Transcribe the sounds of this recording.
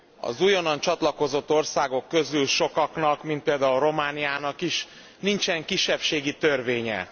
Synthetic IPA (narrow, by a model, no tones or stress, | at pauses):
ɒ̰zujonɒnt͡ʃɒt̪lɒko̞zo̞t̪ːo̞rsaːɡo̞kːø̞zylʃo̞kɒknɒkmint̪̚peːld̪aːulɾo̞maːnijaːnɒkiʃ | nint͡ʃɛŋkiʃːɛpʃeːɡit̪ørveːɲɛ̰